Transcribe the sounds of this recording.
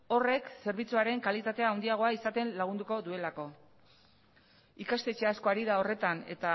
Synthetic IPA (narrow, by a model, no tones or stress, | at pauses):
o̞re̞kse̞ɾβ̞it͡suaɾe̞ŋkalit̪at̪e̞aːwnd̪iaɣ̞o̞aisat̪e̞nlaɣ̞und̪uko̞ðue̞lako̞ | ikast̪e̞t͡ʃe̞asko̞aɾiðao̞re̞t̪ane̞̰t̪a